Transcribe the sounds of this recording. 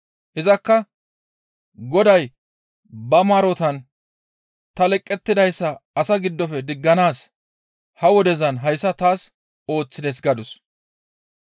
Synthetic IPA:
hɪzɐkːɐ | ɡɔd̪ɐj | bɐmaːɾɔt̪ɐn | t̪ɐlɛkʼːɛt̪ːɪd̪ɐjsːɐɐsɐɡɪd̪ːɔfɛd̪ɪɡːɐnaːs | hɐwɔd̪ɛzɐnɦɐjsːɐt̪aːs | o̞ːt͡sːɪd̪ɛsɡɐd̪ʊs

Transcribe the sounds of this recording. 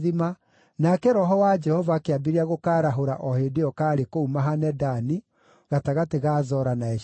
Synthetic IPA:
ðima | nakɛɾɔɦɔwad͡ʒɛhɔvakeabiɾeaɣokaːɾaɦoɾa̰ʔɔhedeɔkaːɾekoumaɦanɛdani | ɣataɣateɣaːzɔɾanaɛʃ

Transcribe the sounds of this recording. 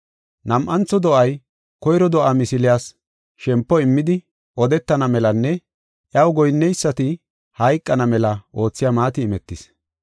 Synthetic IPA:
nɐmʔɐnt͡sːɔd̪ɔʔɐj | kɔjɾɔd̪ɔʔamɪsɪlɪjaːs | ʃɛmpːɔɪmːɪd̪ɪ | ʔɔd̪ɛt̪ːɐnɐmɛlɐnːɛ | ʔjɐwɡɔjnːɛjsːɐt̪ɪ | hɐjkʼːɐnɐmɛlɐʔo̞ːt͡sːɪjaːmaːt̪ɪːmɛt̪ːɪs

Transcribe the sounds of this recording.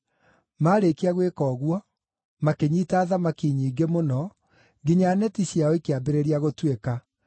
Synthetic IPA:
maːɾekiaɣwekɔːɣwɔ | makeɲiːtaːðamakiɲiːɡemonɔ | ŋɡiɲaːnɛtiɕjaɔikeabeɾeɾiaɣotweka

